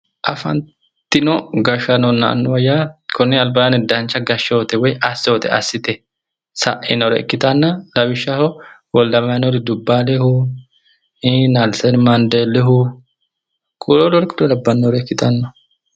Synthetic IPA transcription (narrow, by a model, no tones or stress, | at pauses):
ʔɐfɐ̰n | t̪ːɪnɔɡɐʃɐnɔnːɐ̰ːnːʊwɐjaːkʰɔnːɛɐlbanɛd̪ɐnt͡ʃːɐɡɐʃːoːt̪ɛwɔjɐsːoːt̪ɛ̰ɐ̰sːɪt̪ɛ | sɐ̰ʔɛnɔɾɛ̰ɛ̰kːɪt̪ʼɐnːɐlɐbɪʃːɐhɔwɔlːɐmɐɐnoɾɪd̪ʊbːalɛhʊ | inalsɛnmɐnd̪elɛɦʊ | kʼulolɔɾkʊd̪ɔlɐbːɐnːɔɾɛɛkːɪt̪ʼɐnːɔ